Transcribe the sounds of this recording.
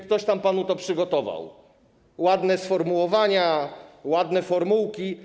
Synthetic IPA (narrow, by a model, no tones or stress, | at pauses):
k̚t̪ɔɕt̪ampanut̪ɔpʂɘɡɔt̪ɔva̰w | wad̪nɛsfɔɾmuwɔvaɲawad̪nɛfɔɾmuwkʲi